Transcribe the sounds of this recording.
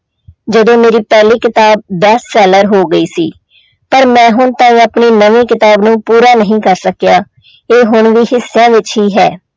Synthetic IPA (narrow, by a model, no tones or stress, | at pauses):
d͡ʒəd̪õːmeːɾiːpɛːliːkɪt̪aːb̚ːɛːssɛːləɾɦoːɡəiːsḭː | pəɾmɛ̃ːɦʊɳt̪ãːĩːəpɳiːnəʋĩːkɪt̪aːbnũːpuːɾaːnəɦĩːkəɾsəkjaː | eːɦʊɳʋiːhɪsːejãːʋɪt͡ʃɦiːɦɛː